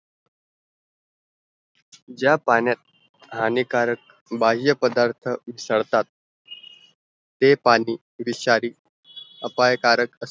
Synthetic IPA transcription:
d͡ʑjapanjat̪̚ | ɦanikaɾək̚ | baɦijəpəd̪aɾt̪ʰəʋisəɽt̪at̪̚ | epaniː | ʋiɕaɾiː | əpajkaɾəkəs

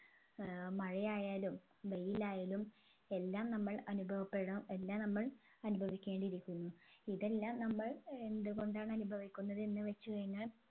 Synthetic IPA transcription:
mɐɻijaːjaːlum | bejilaːjaːlum | e̞lːaːmnɐmːɐɭɐnubʱɐʋɐpːe̞ɽɐe̞lːaːmnɐmːɐɭ | ɐnubʱɐʋikʲːe̞ːɳɖiɾikʲːunːuiðelːaːmnɐmːɐɭe̞nd̪uɣo̞ɳɖaːɳɐnubʱɐʋikʲːunːɐðenːɨʋɐt͡ɕːɨkɐɻiŋːɐɭ

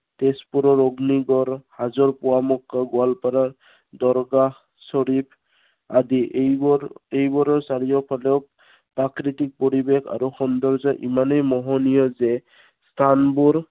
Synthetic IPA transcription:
tespuɾɔɹoɡniɡɔɾhazɔɹpuamɔkːaɡʊalpaɾaɹ | d̪ɔɾɡa | sɔɾipʰ | adijɔejbɔɾɔɹsaɾijɔpʰalɛʊ | pakɾitik̚pɔɾibekʰa̰ɾuxɔnd̪ɔɾzɔʔimanɔjmɔɦɔnijɔzɛ | st̪ʰanbuɾ

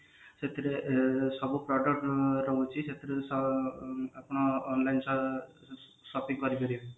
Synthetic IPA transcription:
set̪ʰiɾesɔbupɾɔɖɔkʈɾɔut͡ʃʰiset̪ʰiɾesɔ | apɽ̃ɔːnlajnsɔ | sɔpiŋkɔɾibɔɾi

